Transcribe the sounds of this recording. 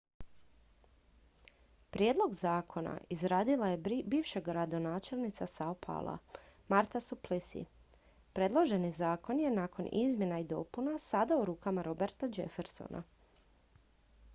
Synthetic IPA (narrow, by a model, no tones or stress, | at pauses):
pɾjeːd̪lˠo̞ɡzaːkʰo̞na̰ʔizɾaːd̪ilajebiːʋʃeɡɾad̪o̞naːt͡ʃe̞lˠnit̪sasaopʰa̰lˠa̰maɾt̪asuplisḭ | pɾe̞d̪lˠo̞ʒe̞nizaːko̞nje̞naːko̞nḭzmʲje̞naid̪o̞̰punasad̪auɾuːkamaɾo̞be̞ɾt̪ad͡ʒefeɾso̰nʔa̰